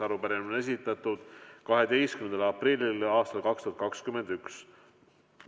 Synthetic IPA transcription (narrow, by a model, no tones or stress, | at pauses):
ɑɾupæɾinone̞s̬it̪ːˑɑt̪ud̪̥kɑɦe̞d̪̥e̞jstkymend̪ɑlɑprilʲːilɑːst̪ɑlkɑkst̪uɑt̪kɑkskyme̞nd̪̥yks